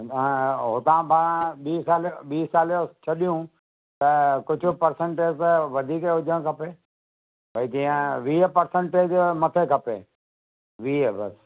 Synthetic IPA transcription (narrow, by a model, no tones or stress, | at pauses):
ɦot̪ãːpaːɾ̃ãɓiːsaːlɓiːsaːlot͡ɕʰɐɗijũ | t̪ɐkʊd͡ʑʱʊpɐɾsə̃ɳʈeːd͡ʑt̪ɐʋɐd̪ʱiːkeʊd͡ʑʱə̃kʰɐpeː | bʱɐit̪ĩːə̃ʋiːəpɐɾsə̃ɳʈeːd͡ʑmɐt̪ʰekʰɐpḛː | ʋiːəbɐ̰s